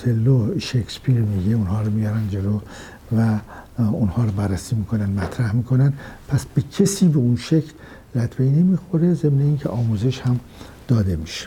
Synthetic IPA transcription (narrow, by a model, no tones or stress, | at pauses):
t̪ʰelːoʃekspʰiɾmiːɡeunhɒːɾomijɒɾænd̪d͡ʒe̞loː | væunhɒːɾobærːæsiːmiːkʰo̞nænd̪mæt̪ʰɾæhmiːkʰo̞nænd̪pʰæsb̥ecʰesiːbeunʃecʰlː | æt̪ʰvejnemiːxoɾezemneiːncʰeʔɒːmuːzeʃhæm | d̪̥ɒːd̪e̞miʃe̥